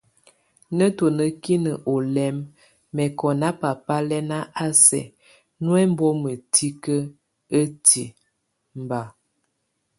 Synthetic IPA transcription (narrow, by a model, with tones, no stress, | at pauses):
nə˦to˨nə˨ki˦nə˨ʔo˨lɛ˦mː | ɛ˨kɔ˨na˦pa˨pa˦lɛ˦na˦ʔa˦sɛ̰˨ | nwɛ˦m˦bɔ˦mə˨tʰi˦kə˦ | ə˦ti˨ | m˨ba˨